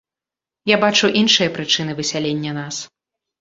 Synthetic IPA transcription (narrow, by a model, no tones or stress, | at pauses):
jabat͡ʂuʔinʂɨjɐpɾɨt͡ʂɨn̪ɨvɨsʲalʲenʲːɐnas